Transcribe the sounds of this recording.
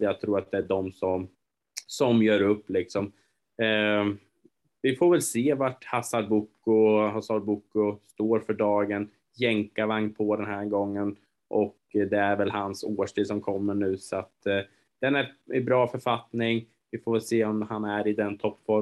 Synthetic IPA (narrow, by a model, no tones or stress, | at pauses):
jat̪ʰɾuːɾat̪̚d̪ɛæɖɔmsɔm | sɔmjœːɾɵpːlɪksɔm | vɪfoːɾvɛlseːvaʈhasalbʊkːʊhasalbʊkːʊst̪oːɾfœɖɑːɡən | jɛŋkaɾvaŋnpʰɔd̪ɛnhæɾɡɔŋːən | ʔɔk | d̪ɛæɾvɛlhansoːʂʈʰiːd̪s̬ɔmkʰɔmːəɳʉ̟ːsɔat̪ | d̪̥ɛnæɾɪbɾɑːfœɾfat̪nɪŋ | vɪfoːvɛlseːɔmhanæɾɪd̪ɛnt̪ʰɔpːfɔ